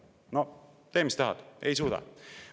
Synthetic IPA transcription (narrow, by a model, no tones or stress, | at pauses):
no | t̪e̞ːmist̪ɑɦɑ̰d̪̥e̞jsuːd̪ɑ̰